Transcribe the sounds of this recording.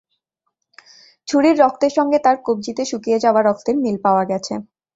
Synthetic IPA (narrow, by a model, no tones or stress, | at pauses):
t͡ɕʰuɽiɾːɔk̚ʰt̪eɾʃɔŋɡet̪aɾkob̚d͡ʑit̪eʃukijed͡ʑaoaɾɔkʰt̪eɾmilpaoaɡɛt͡ɕʰḛ